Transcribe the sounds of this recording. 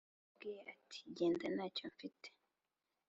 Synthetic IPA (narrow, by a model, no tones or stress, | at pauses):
bɡiɾeatʰi̥ɟe̞ːndanaːco̞ɱfite̥